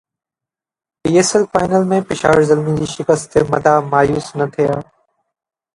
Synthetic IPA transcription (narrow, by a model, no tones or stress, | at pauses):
piːeːsəlfaːɪnəlmẽːpɪʃa̰ːʋəɾzɐlmĩd͡ʑiːʃɪkəst̪mɐd̪ʱaːmaːjuːsnɐt̪ʰijaː